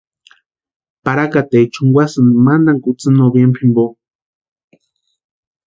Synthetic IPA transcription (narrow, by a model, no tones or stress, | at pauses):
paɾakat̪ejt͡ʃuŋɡʷwasɨnɨmand̪aŋkut͡sɨnobjempʰimbo